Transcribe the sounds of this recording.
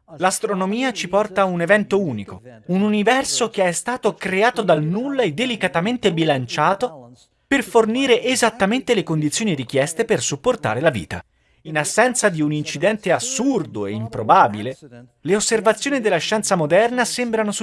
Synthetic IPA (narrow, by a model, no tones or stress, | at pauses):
last̪ɾonomiːat͡ʃipɔrt̪aunevɛnt̪ouːniko̰ununivɛrsokeɛst̪aːt̪okɾeaːt̪od̪alnulːaed̪elikat̪ament̪ebilant͡ʃaːt̪o | perforniːɾeʔːzat̪ːament̪elekond̪it̪sːjoːniɾikjɛst̪epersupːort̪a̰ːɾelavḭːt̪a̰ | inasːɛnt̪sad̪iunint͡ʃid̪ɛnt̪easːurd̪oḛimpɾobaːbile | leosːervat̪sjoːnid̪elːaʃːɛnt̪samod̪ɛrnasembɾanos